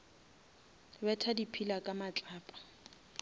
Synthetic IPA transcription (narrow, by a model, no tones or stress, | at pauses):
bɛtʰadipʰilakʼamat͡ɬʼaːpʼḁ